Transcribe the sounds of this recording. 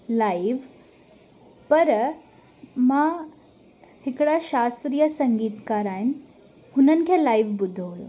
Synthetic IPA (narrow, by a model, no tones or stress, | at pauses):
laiʋ | pəɾ | mã | hɪkɽaʃaːst̪ɾijəsəŋɡiːt̪kaːɾaːɦini | hunənɪ̆kʰeːlaiʋbʊd̪ʱːoɦojo̰